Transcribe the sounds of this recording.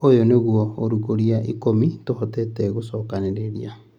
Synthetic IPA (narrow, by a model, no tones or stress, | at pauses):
ojoneɣwɔoɾuɣoɾiaʔikomitohɔtɛtɛɣosɔːkaneɾeɾḭa